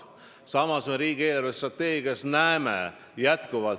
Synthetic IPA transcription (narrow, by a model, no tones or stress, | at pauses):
sɑmɑsme̞ɾiːɡ̥ieːlɑɾvest̪rɑt̪ːe̞ːɡiɑsnæeme | jæt̪kuvɑl